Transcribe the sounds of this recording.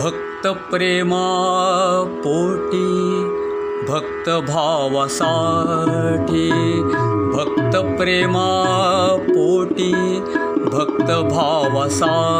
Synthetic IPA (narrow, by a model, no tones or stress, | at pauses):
bʱɐk̚t̪ɐpɾeːma | poːʈi | bʱɐk̚t̪ɐbʱaːʋɐsaː | ʈʰi | bʱɐk̚t̪ɐpɾeːmaː | poːʈi | bʱɐk̚t̪ɐbʱaːʋɐsaː